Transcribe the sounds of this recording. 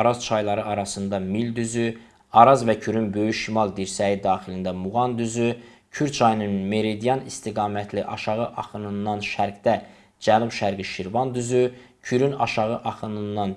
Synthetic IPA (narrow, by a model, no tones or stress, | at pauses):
ɑɾɑz̥t͡ʃʰɑjlˠɑɾɯʔɑɾɑsɯnd̪ɑmild̪yzy | ɑɾɑzvæcʰyɾynbø̞jyʃimɑlˠd̪iɾsæid̪ɑːχilind̪æmuʁɑnd̪yzy | cʰyɾt͡ʃʰɑjnɯnme̞ɾid̪ijɑnist̪iɡɑːmæt̪ʰliʔɑʃɑʁɯʔɑχɯnɯnːɑnʃæɾɡd̪æ | d͡ʒælˠɯmʃæɾɡiʃiɾvɑnd̪yzycʰyɾynɑ̰ʃɑɣɯʔɑχɯnɯnːɑn